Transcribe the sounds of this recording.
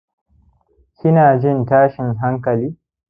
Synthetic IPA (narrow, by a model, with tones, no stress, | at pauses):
kʲɪ˦naː˨d͡ʒɪ˦ntaː˦ʃɪ˨ŋɦa˦ŋkɐ˨liː˦